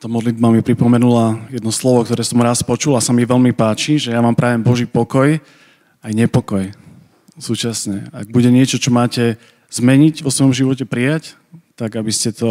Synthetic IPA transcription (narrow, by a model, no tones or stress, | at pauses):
t̪ɔmɔd̪lid̪̚bamipɾipɔmɛnulajɛd̪nɔslɔʋɔk̚t̪ɔɾɛːsɔmɾaspɔt͡ʃulasamiʋɛʎmipaːt͡ʃiʒɛjaʋaːmpɾaːʋɛmbɔʒiːpɔkɔj | ajɲɛpɔkɔj | suːt͡ʃasɲɛaɡ̚buɟɛɲɪɛt͡ʃɔt͡ʃɔmaːcɛ | z̥mɛɲiɟʋɔsʋɔjɔmʒiʋɔcɛpɾijac | t̪aɡabiscɛt̪ɔ